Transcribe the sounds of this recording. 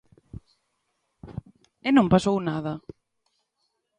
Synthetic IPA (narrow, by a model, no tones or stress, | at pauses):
enõmpasownaða